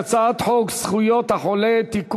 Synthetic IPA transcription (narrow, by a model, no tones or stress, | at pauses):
t͡saat̪ħoksχujot̪haħolet̪ik